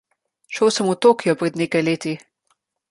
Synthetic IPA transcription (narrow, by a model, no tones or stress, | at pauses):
ʃəwsəmut̪oːkijɔpɾɛd̪neːkajleːt̪i